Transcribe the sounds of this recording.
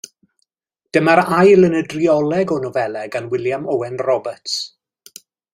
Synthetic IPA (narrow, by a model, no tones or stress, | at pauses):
d̥əmaɾajlˠənədriɔlˠɛɡɔnɔvɛlɛɡanwɪljamɔwɛnrɔbəts